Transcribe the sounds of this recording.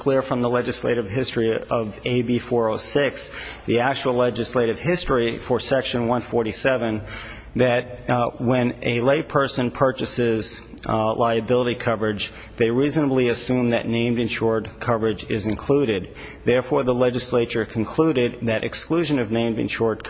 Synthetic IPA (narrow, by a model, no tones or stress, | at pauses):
kʰl̥ɪɹfɹʌ̃mðəlɛd͡ʒɨslḛɪɾɨv̥ɦɪstɹ̥iʌveɪbifɔɹoʊsɪksðiæk̚t͡ʃuwl̩ˠlɛd͡ʒɨsleɪɾɨv̥hɪstɹ̥ifə˞sɛkʃɨ̃nwʌ̃nfɔɹɾisɛvɨ̃n | ðɨt̚wɨ̃nɨleɪpʰɜ˞sɨ̃npʰɜ˞t͡ʃɨsɪz | lʔaɪɨbɪlˠəɾikʰʌvə˞ɨd͡ʒ | ðeɪɹiznəbliɨsʉ̃mðɨ̰ʔⁿnẽɪ̃mdɨ̃nʃɔɹd̚kʰʌvə˞ɨd͡ʒɪzɨ̃nkʰl̥uɾɪd̪̚ | ðɛɹfɔɹðəlɛd͡ʒɨsleɪt͡ʃə˞kʰɨ̃n̩kʰl̥uɾɪd̪̚ðɨɾʔɨ̰kskluʒɨ̃nʌvnẽɪ̃mdɨ̰̃nʃɔɹd̚kʰ